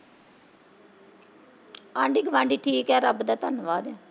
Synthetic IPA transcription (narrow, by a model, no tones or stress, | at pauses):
ãːɳɖiːɡəʋãːɳɖiːʈʰiːkɛːɾəbd̪aːt̪ənʋaːd̪ɛː